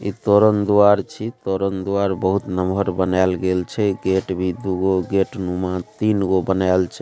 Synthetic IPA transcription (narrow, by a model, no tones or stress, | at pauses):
it̪oɾənd̪uaɾt͡ʃʰit̪oɾənd̪uaɾbəɦut̪nəmbʱəɾbənalɡelt͡ʃʰɛɡeʈbʱid̪uɡoɡeʈnumat̪inɡobənalt͡ʃʰɛ